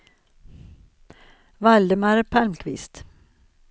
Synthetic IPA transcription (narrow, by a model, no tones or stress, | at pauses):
vald̪əmaɾəpʰalmkʰvɪst̪